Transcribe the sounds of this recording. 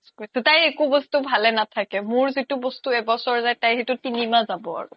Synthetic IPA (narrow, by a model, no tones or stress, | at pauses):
kojsɛtajekubɔstubʱalɛnatʰakɛmʊɹzitubɔstuɛbɔsɔɹzajtajɦetutinimazabɔa̰ɹʊ̰